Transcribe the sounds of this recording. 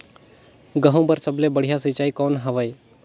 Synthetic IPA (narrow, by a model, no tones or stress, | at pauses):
ɡəɦõbəɾsəblebəɽ̤ijasit͡ʃaːikoːnɦəʋaj